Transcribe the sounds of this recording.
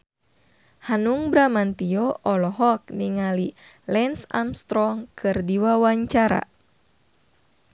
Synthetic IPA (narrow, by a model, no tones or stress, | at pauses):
hanuŋbɾamant̪iɔʔɔlɔɦɔk̚niŋali | lɛnsa̰mst̪ɾɔŋkʰɨrdiwawaɲt͡ʃaɾa̰